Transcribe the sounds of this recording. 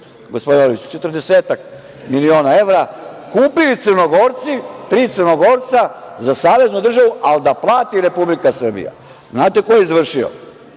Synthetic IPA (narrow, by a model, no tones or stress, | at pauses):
ɡospod̪inolit͡ʃu̥t͡ʃe̞t̪r̩d̪eseːt̪ak | milio̞ːnae̞ʋɾakuːpilit̪sərno̞ɡo̞ɾt̪sit̪ɾiːt̪sɨrno̞ɡo̞ːɾt̪sazasaːʋe̞znud̪r̩ʒaʋuʔald̪aplˠaːt̪iɾe̞publikasr̩bḭja̰ | znaːt̪e̞ko̞jeizʋr̩ʃio̰